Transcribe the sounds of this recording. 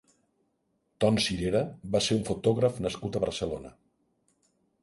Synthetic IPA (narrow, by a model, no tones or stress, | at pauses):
t̪ɔnsiɾeɾəβaseɾuɱfut̪ɔɣɾəfnəskut̪əβəɾsəlonə